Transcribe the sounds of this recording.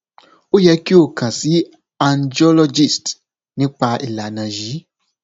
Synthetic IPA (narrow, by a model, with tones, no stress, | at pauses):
o˦jɛ˧˦ki˦o˦˨kʰã˨si˨˦ | a˨ndi˦ɔ˦lɔ˧d͡ʒi˦˨st | nĩ˦k͡pa˧ʔi˨la˨nã˨ʒi˨˦